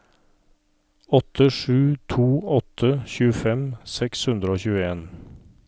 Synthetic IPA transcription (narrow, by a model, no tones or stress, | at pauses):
ɔt̪ʰəʂʉːt̪ʰuːɔt̪ʰəçʉːəfɛmsɛkshʉnd̪ɾəoːçʉːəeːn